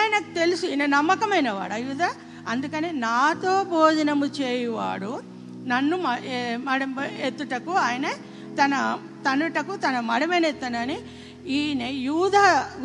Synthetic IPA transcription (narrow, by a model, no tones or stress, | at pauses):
jɐnɐkut̪elusuinɐnɐmːɐkɐmɐjnɐʋa̰ːɽɐːjuːd̪ʱaː | ɐnd̪ukɐneːnaːt̪o̞ːbʱoːd͡ʒɐnɐmut͡ʃeːjɐʋa̰ːɽu | nɐnːumɐmɐɽɐmet̪ːuʈɐkuaːjɐnɐ | t̪ɐnɐ | t̪ɐnuʈɐkut̪ɐnɐmɐɽɐmenet̪ːɐnɐni | iːnejuːd̪ʱaː